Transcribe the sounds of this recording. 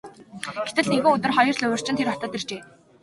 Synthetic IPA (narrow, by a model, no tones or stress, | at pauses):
ɡ̥et̪ɘ̆ɮneɣɘ̆ŋʊt̪ə̆rχɔjɞ̆rɮɵwɵ̆r̥t͡ɕɪ̆t̪ʰerɔt̪ɔ̆ːt̪ert͡ɕeː